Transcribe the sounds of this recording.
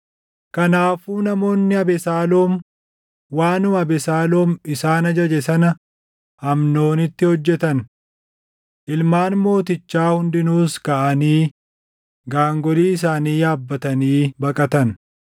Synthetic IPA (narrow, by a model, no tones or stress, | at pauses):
kɐnaːfuːnɐmo̞ːnːɪɐbɛsaːlo̞ːm | waːnʊːɐbɛsaːlo̞ːmɪsaːnɐd͡ʒɐd͡ʒɛsɐnɐ | hɐmno̞ːnɪt̪ːɪhɔd͡ʒːɛt̪ɐn | ʔɪlmaːnmo̞ːt̪ɪt͡ʃːaːhʊnd̪ɪnuːskɐʔɐniː | ɡaːŋɡɔliːɪs̬aːniːjaːbːɐt̪ɐniːbɐkʼɐt̪ɐn